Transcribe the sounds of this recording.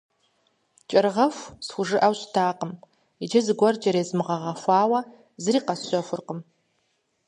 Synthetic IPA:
t͡ʃʼɐrʁɐfʷsxʷʊʒɨʔɐwɕtʰaːqəm | id͡ʒɐzɨɡʷɔrd͡ʒɐɾeːzmɨʁɐʁɐfʷɑːwɐ | zɨriːqɐsɕʷɔfʷʊrqəm

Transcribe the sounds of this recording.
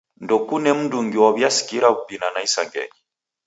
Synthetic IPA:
ndɔkunɛm̩nduŋɡiwaβjasi̥kiɾaβubinanaisaŋɡɛ̰ɲi

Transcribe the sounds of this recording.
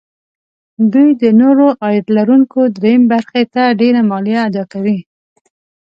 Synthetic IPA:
d̪ujd̪ənoɾoʔɑjd̪laɾuŋkod̪ɾejəmebaɾxet̪aɖeɾamɑlijaːd̪ɑkawi

